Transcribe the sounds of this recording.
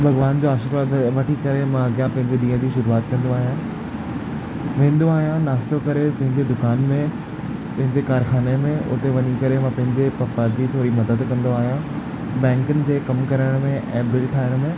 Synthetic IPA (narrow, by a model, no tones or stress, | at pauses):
bʱɐɣʋaːnd͡ʑoaːʃɪɾʋaːd̪ʋɐʈʰikɐɾemãɐɡjãpɐ̃ɦɪ̃ɲd͡ʑeɗĩːə̃d͡ʑiːʃʊɾuaːt̪kɐ̃nd̪oaːɦijã | ʋẽːn̆d̪oaːɦijãnaːst̪okɐɾepɐ̃ɦɪ̃ɲd͡ʑed̪ʊkaːnmẽ | pɐ̃ɦɪ̃ɲd͡ʑekaːɾxaːnemẽʊ̰t̪eʋɐɲikɐɾemãpɐ̃ɦɪ̃ɲd͡ʑepɐpːad͡ʑiːt̪ʰoːɾimɐd̪əd̪kɐ̃nd̪oaːɦijã | bɛ̃ːŋkʊnɪ̆d͡ʑeːkɐmkɐɾəɽ̃mẽʔɛ̃ːbɪlʈʰaːɪɽ̃mẽ